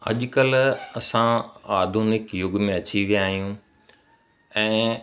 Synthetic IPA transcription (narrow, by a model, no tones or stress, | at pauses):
ɐ̰ʄkəlɐsãaːd̪ʱunɪkjʊɡmẽɐt͡ɕiʋijaːɦijũ | ɛ̃ː